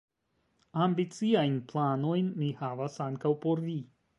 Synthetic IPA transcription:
ambit͡siajnplano̞jnːihavasaŋkawpo̞ɾvi

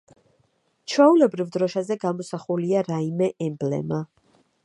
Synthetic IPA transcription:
t͡ʃʰwɛulɛbɾivd̪ɾɔʃazɛɡamɔsaχuliaɾaimɛʔɛmblɛ̰ma

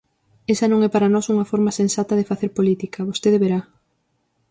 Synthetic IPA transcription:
esɐnõŋɛpaɾɐnɔsuŋɐfɔɾmɐsensat̪ɐðɪfaθeɾpolit̪ikʰɐβost̪eðeβeɾa

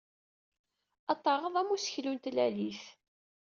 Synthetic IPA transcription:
ɑt̪ˤːɑʁəðˤæmusəçlunt̪læliθ

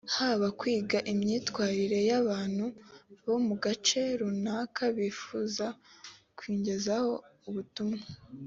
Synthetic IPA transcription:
haːβakwiːɡaʔimɲiːtwaːɾiɾe̞jaβaːn̥huβo̞muɡat͡ʃe̞ɾunaːkʰaβiːfuːza | kwiːɲɟe̞zaho̞uβutumŋa

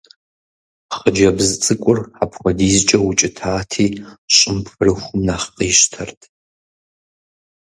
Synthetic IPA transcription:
χəd͡ʒɐbzɨt͡sʼɨkʷʼʊrapʰχʷɔdiːzt͡ʃʼɐwʊt͡ʃʼɪtʰaːtʰiːɕʼɪmpfɨrɨχʷʊmnaχqiːʃtʰɐrtʰ

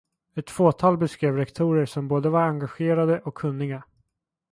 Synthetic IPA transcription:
ɛt̪foːt̪ʰɑːlbɛskɾeːvɾɛkt̪ʰuːɾəʂɔmboːd̪əvaɾaŋɡaɧeːɾad̪əʔɔkʰːɵnːɪɡa

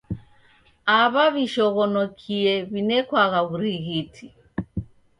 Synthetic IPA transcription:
aβaβiʃɔɣɔnɔkʰiɛβinɛkwaɣaβuɾiɣitʰi

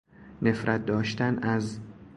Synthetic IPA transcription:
ne̞fɾʔæt̪̚d̪ɒːʃt̪ænæz

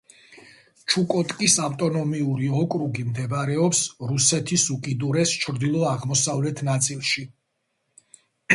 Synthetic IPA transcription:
t͡ʃʰukʼɔt̪ʼkʼisaft̪ʼɔnɔmiuɾiɔkʼɾuɡimd̪ɛbɾɛɔpsɾusɛt̪ʰisukʼid̪uɾɛst͡ʃʰɾd̪ilˠɔaʁmɔsavlɛt̪ʰnat̪sʼilˠʃi

